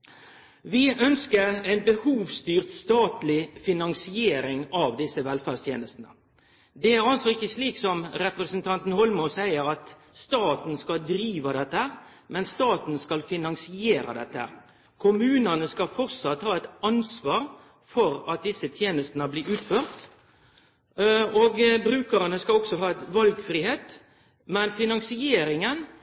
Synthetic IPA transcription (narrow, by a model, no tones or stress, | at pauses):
ʋɪʔœnskəɾɛɪnbəhuːʋst̪yːʁt̪st̪ɑːt̪lɪfɪnɑŋsɪeːɾɪŋɑʋd̪ɪsːəʋɛlfæʁst̪ʰjḛːnəst̪nə̰ | d̪ɛæɾɑlsɔɪçəsliːksɔmɾɛpɾəsənt̪ʰɑnt̪n̩hɔlmɔsæɪəɾɑt̪ | st̪ɑːt̪n̩skɑld̪ɾiːʋɑd̪ɛt̪ːəhæːʁ | mɛnst̪ɑːt̪n̩skɑlfɪnɑŋsɪeːɾɑ̰d̪ɛ̰t̪ːəæ̰ | kʰʊmʉːnənəskɑfɔʁsɑt̪hɑːɛɪt̪ɑnsʋɑːɾ | fɔɾɑt̪̚d̪ɪsːət̪ʰjeːnəst̪nəbliːʉːt̪føːʁt̪ | oːɡbɾʉːkəɾənəskɑɔksɔɦɑːɛt̪ʋɑlɡfɾiːheːt̪ | mɛnfɪnɑŋsɪeːɾɪŋən